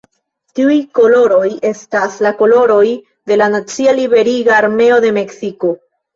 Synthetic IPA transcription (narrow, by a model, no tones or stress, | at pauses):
tiujko̞lo̞ɾo̞je̞staslako̞lo̞ɾo̞j | de̞lanat͡sialibe̞ɾiɡaːɾme̞o̞de̞me̞ksiko̞